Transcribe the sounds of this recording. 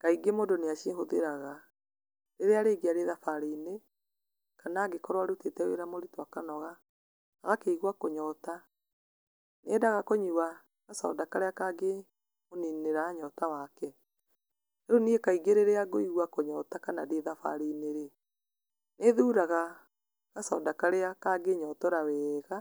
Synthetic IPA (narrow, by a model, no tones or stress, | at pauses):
kaiɡemoːndoneaʃeɦoðeɾaɣa | ɾeɾeaɾeɡeaɾeːðafaɾeine | kanaːɡekɔɾwaɾotetɛwḛɾamoɾitwakanɔɣa | aɣakeiɣwakoɲɔta | neːdaɣakoɲuwa | ɣasɔ̰dakaɾeakaɡe | monineɾaɲɔtawakɛ | eɾoniekaiɡeɾeɾeaɡoiɣwakoɲɔtakanaɾeðafa̰ɾiːneɾe | neðuːɾaɣa | ɣasɔdakaɾeakaɡeɲɔtɔɾawɛːɣa